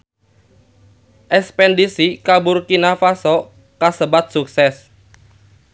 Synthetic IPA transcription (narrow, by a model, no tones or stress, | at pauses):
ʔɛkspɛndisikabʊrkinafasɔ | kasəbat̪̚suk̚sɛs